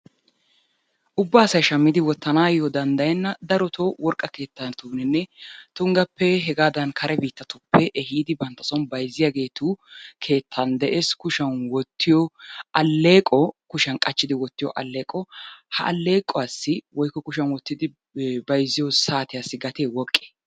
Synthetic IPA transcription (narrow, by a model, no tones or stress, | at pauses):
ʔʊbːaːsɐjʃɐmːɪd̪ɪwɔt̪ːɐnaːjɔd̪ɐnd̪ɐjɛnːɐd̪ɐɾɔt̪ʰowɔɾkʼːɐke̞ːt̪ːɐnt̪uːnɛnːɛt̪ʊŋɡɐpːɛɦɛɡaːd̪ɐnkʰɐɾʔɛbiːt̪ːɐt̪ʊpːɛʔɛɦiːd̪ɪbɐnt̪ːɐsɔnbɐjzːɪjaɡe̞ːt̪ukʰe̞ːt̪ʰːɐnd̪ɛʔeːskʊʃɐnwɔt̪ʰːɪjɔʔɐlːe̞ːkʼɔkʊʃɐnkʼɐt͡ʃːɪd̪ɪwɔt̪ːɪjɔ̰ʔɐlːe̞ːkʼɔhɐ̰ʔɐ̰lːe̞ːkʼɔasːɪwɔjkːɔkʊʃɐnwɔt̪ːɪd̪ɪ | bɐjzːɪjɔsaːt̪ɪjasːɪɡɐt̪eːwɔkʼːe̥